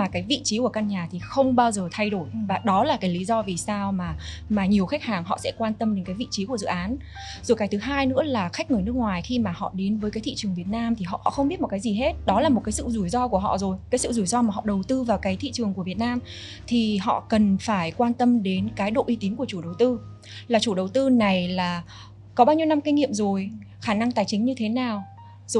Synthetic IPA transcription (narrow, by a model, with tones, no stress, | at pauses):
aː˨˩kaː˨˦jvḭ˧˨t͡ɕi˨˦ku˧˩əka˧nɲaː˨˩t̪ʰi˨˩xə˧wŋ͡mɓaː˧wzəː˨˩t̪ʰa˧jɗo˧˩jvaː˨˩ɗɔ˨˦laː˨˩kaː˨˦jli˨˦zɔ˧vi˨˩saː˧wmaː˨˩maː˨˩ɲi˨˩əwxa˦˥k̚haː˨˩ŋɦɔ̰˧˨sɛ̰˧˥kwaː˧nt̪ə˧mɗe˨˦nkaː˨˦jvḭ˧˨t͡ɕi˨˦ku˧˩əzɨ̰˧˨ʔaː˨˦n | zo˨˩kaː˨˩jt̪ʰɦaː˧jnɨ̰˧˥əlaː˨˩xa˦˥k̟̚ŋɨ˨˩jnɨ˦˥ək̚ŋwaː˨˩jxi˧maː˨˩hɔ̰˧˨ɗe˨˦nvəː˨˦jkaː˨˦t̪ʰḭ˧˨t͡ɕɨ˨˩əŋvi˨˩ət̚naː˧mt̪ʰi˨˩ɦɔ̰˧˨ʔhɔ̰˧˨xə˧wŋ͡mɓi˦˥t̚mo˨t̚kːaː˨˦jzi˨˩ɦe˦˥t̚ɗɔ˨˦laː˨˩mo˨˩t̚kaː˨˦jsɨ̰˧˨zu˧˩jzɔ˧ku˧˩əɦɔ̰˧˨zo˨˩jkaː˨˦jsɨ̰˧˨zu˧˩jzɔ˧maː˨˩ɦɔ̰˧˨ɗə˨˩wt̪ɨ˧vaː˨˩wkaː˨˦jt̪ʰḭ˧˨t͡ɕɨ˨˩əŋku˧˩vət̚naː˧m | t̪ʰi˨˩ɦɔ̰˧˨kə˨˩nfaː˧˩jkwaː˧nt̪ə˧mɗe˨˦nkaː˨˦jɗo̰˧˨ʔi˧t̪i˨˦nku˧˩ət͡ɕu˧˩ɗə˨˩wt̪ɨ˧ | laː˨˩t͡ɕu˧˩ɗə˨˩wt̪ɨ˧na˨˩jlaː˨˩ | kɔ˨˦ɓaː˧wɲi˧wna˧mki˧ŋ̟ŋḭ˧˨əmzo˨˩j | xaː˧˩na˧ŋt̪aː˨˩jt͡ɕï˨˦ŋ̟ɲɨ˧t̪ʰe˨˦naː˨˩w | zo˧˨